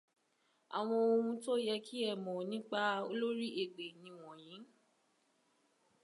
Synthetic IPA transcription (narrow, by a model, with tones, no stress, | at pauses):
a̰˨w̃ɔ̃˧o˧ũ˧to˦jɛ˧kʰi˦ɛ˧˨mɔ̃˨nĩ˦k͡pa˦o˧lo˦ɾi˦e˨ɡ͡be˨nĩ˧w̃ɔ̃˨j̃ĩ˨˦